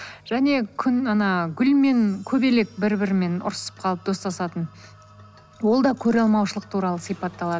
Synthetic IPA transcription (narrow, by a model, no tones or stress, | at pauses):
ʒ̥æne̞kʲʰʏnɑnɑɡʲʏlme̞ŋkʲʰɵbe̞le̞k̚bɪɾbɪɾɪme̞nʊ̰ɾsə̥p̚qʰɑlˠəp̚d̪o̞st̪ɑsɑt̪ən | wo̞lˠd̪ɑkʲʰɵɾɑlˠmɑwʃəlˠəq̚t̪ʰuɾɑlˠəsijpɑt̪ːɑlˠɑd̪ə